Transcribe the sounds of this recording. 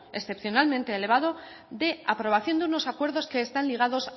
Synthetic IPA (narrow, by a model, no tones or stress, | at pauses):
esθe̞pθjo̞nalmẽnt̪e̞ːle̞β̞aðo̞ | ðe̞apɾo̞β̞aθjo̞nd̪euno̞sakwe̞ɾðo̞ske̞ːst̪anliɣ̞aðo̞s